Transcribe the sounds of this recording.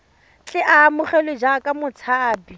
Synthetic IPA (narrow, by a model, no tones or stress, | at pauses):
t͡ɬʼɪʔaːmʊχɛled͡ʒakʼamʊt͡sʰaːbi